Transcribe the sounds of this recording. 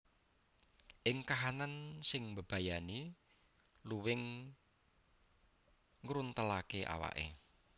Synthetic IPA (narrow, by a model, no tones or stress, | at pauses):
ʔɪŋkaɦanansɪŋmbəb̥ä̤jani | luwɪŋ | ɾunt̪əlakeʔa̰wa̰ʔḛ